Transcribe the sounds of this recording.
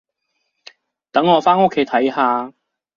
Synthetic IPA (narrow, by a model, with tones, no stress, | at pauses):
t̪ɐ˨˥ŋːɔː˨˧faː˥no˥kʰːe˨˧jt̪ʰɐ˨˥jhaː˧